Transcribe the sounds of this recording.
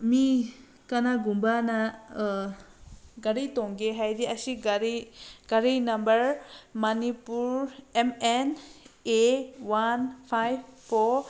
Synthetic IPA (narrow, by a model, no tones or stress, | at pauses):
mi | kanaɡumbana | ɡaɾitɔŋɡeɦajdiasiɡaɾiɡ̥aɾinambəɹmanipuɹɛmɛnewanpʰajbpʰɔ